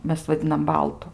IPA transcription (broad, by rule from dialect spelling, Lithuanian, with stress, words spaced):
ˈmʲɛs ʋɐˈdʲɪnɐm ˈbɐlˠtʊ